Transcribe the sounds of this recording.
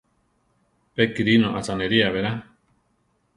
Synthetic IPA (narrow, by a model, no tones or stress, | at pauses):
pekiɾinoʔat͡saneɾiaβeɾa